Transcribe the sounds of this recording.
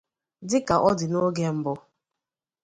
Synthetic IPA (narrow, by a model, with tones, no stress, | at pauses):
dɪ˦ka˨ʔɔ˦dɪ˨no˦ɡe˦m̩˦bʊ˦